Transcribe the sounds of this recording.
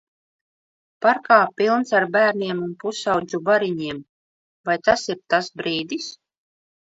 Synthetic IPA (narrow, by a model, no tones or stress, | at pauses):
paɾkaːpʲilˠnsaɾbæːɾnʲiɛmunpusawd̪zubaɾiɲiɛm | vajt̪asiɾt̪asbɾiːd̪is